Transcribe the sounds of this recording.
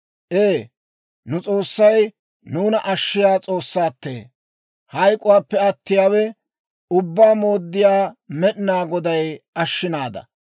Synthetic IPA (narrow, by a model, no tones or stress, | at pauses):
ʔeː | nʊt͡sʼo̞ːsːɐj | nuːnɐʔɐʃːɪjaːt͡sʼo̞ːsːaːt̪ːḛː | hɐjkʼʊwaːpːɛɐt̪ːɪjaːwɛ | ʊbːaːmo̞ːd̪ːɪjaːmɛɗnaːɡɔd̪ɐjɐʃːɪnaːd̪ɐ̰